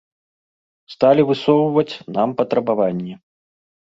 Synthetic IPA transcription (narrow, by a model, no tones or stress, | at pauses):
st̪alʲivɨsɔwvɐt͡sʲnampɐt̪ɾɐbavanʲːɛ